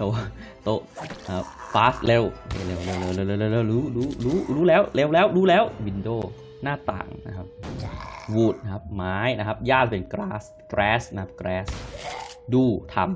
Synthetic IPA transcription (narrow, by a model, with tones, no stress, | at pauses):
t̪ʰo˧wa˥˩ | t̪o˦˧˥ʔʔaː˧˩faː˦˥sle˦˧˥we˧˩le˧˩wle˧˩wle˧˩wle˧˩˨le˧˩˨le˧˩wlɛː˧˥˩wɾuː˦˥ɾuː˦˥ɾuː˦˥ɾuː˦˥lɛː˦˥wle˦˧˩wlɛː˦˥wɾuː˦˥lɛː˦˥wwi˧ndoː˥˩ | naː˥˩t̪a̰ː˨˩ŋna˦˥kʰa˦˥p̚ | wuː˨˩t̪̚kʰa˦˥p̚maː˦˥jna˦˥kʰa˦˥p̚jaː˥˩pe˧nkɾaː˦˥s | kɾɛː˦˥sna˦˥kʰa˦p̚kɾɛː˦˥s | duː˧˩t̪ʰa˧m